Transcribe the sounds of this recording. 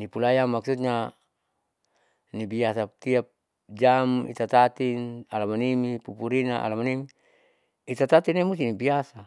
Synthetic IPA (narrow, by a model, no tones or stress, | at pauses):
nipulajamaksut̪̚ɲa | nibiasat̪iap̚ | d͡ʒamḭt̪at̪at̪inalamanimipupuɾinaʔa̰lamanimi | it̪at̪at̪inemust̪inibiasa